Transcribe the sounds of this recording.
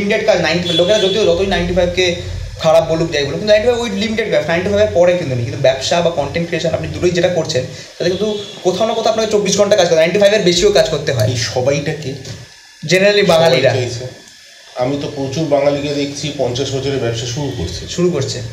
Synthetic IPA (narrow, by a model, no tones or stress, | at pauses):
limiʈeɖkad͡ʑnajnʈifablokeɾad͡ʑod̪iod͡ʑɔt̪oinajɳʈifʰajb̚ke | kʰaɽab̚bolukd͡ʑajboloukinnajiɳʈiajbojlimiʈeɖ̚bɛnajɳʈifʰajbeɾpɔɾekint̪unekint̪ubɛbʃabakɔɳʈeɳʈfieʃanapnid̪uʈojd͡ʑeʈakoɾt͡ɕʰen | t̪at̪ekint̪ukot̪ʰaonokot̪ʰaapnaket͡ɕobːiʃɡʱɔɳʈakad͡ʑkoɾt̪enajĩɳʈifajbeɾbeʃiokad͡ʑkoɾt̪eɦɔeʃɔbajiʈaki | d͡ʑeneɾalibaŋaliɾat͡ɕʰe | amit̪opɾot͡ɕuɾbaŋaliked̪ekʰt͡ɕʰipɔnt͡ɕaʃbɔd͡ʑʰoɾeɾbɛbʃaʃuɾukoɾt͡ɕʰeʃuɾukoɾt͡ɕʰe